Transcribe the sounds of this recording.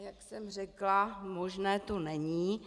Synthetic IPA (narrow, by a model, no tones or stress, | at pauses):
jaksɛmr̝ɛklamoʒnɛːt̪onɛɲiː